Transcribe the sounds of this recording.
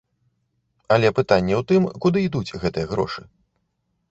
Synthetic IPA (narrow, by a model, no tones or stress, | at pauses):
ɐlʲɛpɨt̪anʲːɐwt̪ɨmkud̪ɨid̪ut͡sʲɣɛt̪ɨjɐɣɾɔ̰ʂɨ